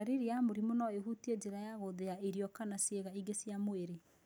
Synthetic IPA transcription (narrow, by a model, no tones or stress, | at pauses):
aɾiɾiamoɾimonɔehutied͡ʒeɾajaɣoðeaiɾjɔkanasjeɣaiɡesjamoeɾe